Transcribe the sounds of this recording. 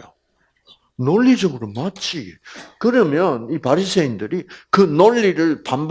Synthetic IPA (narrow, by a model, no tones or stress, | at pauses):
o | noʎːid͡ʑʌɡɯɾomat͡ɕ͈ʰikɯɾʌmjʌnipaɾisʰeindɯɾikɯnoʎːiɾɯɭpamb